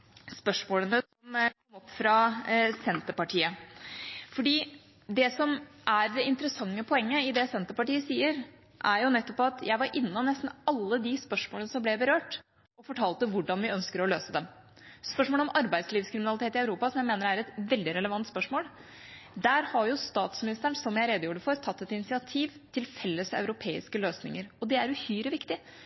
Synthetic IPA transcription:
spœʂmoːlənəsɔmkʰɔmːɔpːfɾɑsɛnt̪əɾpɑʈʰiːə | fɔɖiː | d̪ɛsɔmʔæɾd̪ɛɪnt̪əɾəsɑŋːəpʰɔɛŋːəɪd̪ɛsɛnt̪əɾpɑʈiːəsiːəɾ | ʔæɾjʊnɛt̪ːɔpːɑt̪jæɪʋɑɾʔɪnːənɛst̪n̩ɑlːəd̪ɪspœʂmoːlnəsɔmblɛbəɾøːʈ | ɔfɔʈʰɑːlt̪əʋʊɖɑnʋɪœnskəɾɔløːsəd̪ɛm | spœʂmoːləɔmʔɑɾbæɪsliːʋskʰɾɪmɪnɑlɪt̪ʰeːt̪ɪɑʉɾuːpɑsɔmjæɪmeːnəɾæɾɛt̪ʋɛld̪ɪɾɛləʋɑnt̪spœʂmoːl | d̪æːɾhɑɾjʊst̪ɑːt̪smɪnɪst̪əɳsɔmjæɪɾeːd̪əjuːɖəfɔɾt̪ʰɑt̪ːɛt̪ɪnɪsɪɑt̪ʰiːʋt̪ʰɪlfɛlːəsɑ̰ʉɾʊpʰeːɪskəløːsnɪ̰ŋəɾɔd̪ɛæɾʉhyːɾəʋɪkt̪ɪ

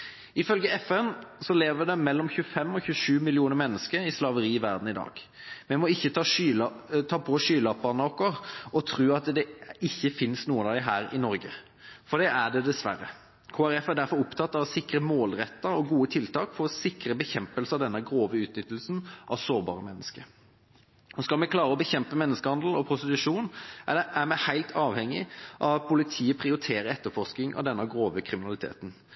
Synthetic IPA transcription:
ɪfœlɡəɛfɛnsɔleːʋəd̪ɛmɛlːɔmçʉfɛmːɔçʉʂʉːmɪlɪuːnəɾmɛnːəskəɾɪslɑʋəɾiːɪʋæʁd̪n̩ɪd̪ɑ̰ːɡ̥ | mɛmɔɪçːə | t̪ʰɑːpʰɔʂyːlɑp̚bɑnəɔkːɔʁɔt̪ʰʁʉːɑt̪d̪ɛɪçːəfɪnsnuːənɑɦæːɾɪnɔɾɡə̰ | fɔɖ̪ɛʔæɖɛd̪ɛsʋæ̰ɾə̰ | kʰoːæɾɛfæɖ̪æɾfɔɾʊpt̪ʰɑt̪ːɑʋɔsɪkɾəmoːlɾɛt̪ːəɾɔɡuːət̪ʰɪlt̪ɑːkfɔʁɔsɪkɾəbəçɛmpəlsəɑd̪ɛnːəɡʁoːʋəʉːt̪nʏt̪ːl̩sn̩ʔɑʋsoːɾbɑ̰ːʁəmɛnːəskəɾ | ɔskɑlmɛklɑːʁəɔbəçɛmpəmɛnːəskəhɑnd̪l̩ɔpʰɾʊst̪ɪt̪ʉʂuːnʔæɾmɛhæɪlt̪ʰɑːʋhɛŋːɪʔɑʋɑpʰʊlɪt̪ʰiːəpʰʁɪʊɾɪt̪ʰeːɾəɛt̪ːəfɔsknɪŋʔɑ̰ʋd̪ɛnːəɡʁoːʋəkʰʁɪmɪnɑlɪt̪ʰḛːt̪n̩

